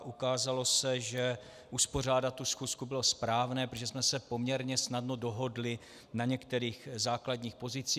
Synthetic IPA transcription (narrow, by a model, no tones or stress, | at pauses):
ʔukaːzalo̞sɛʒɛ | ʔuspo̞r̝aːdat̪̚ːusxuːskubɪlo̞spɾaːvnɛːpɾotoʒɛsmɛsɛpo̞mɲɛɾɲɛsnadno̞do̞ɦo̞dlɪ | naɲɛkt̪ɛɾiːxzaːkladɲiːxpo̞zɪt͡siː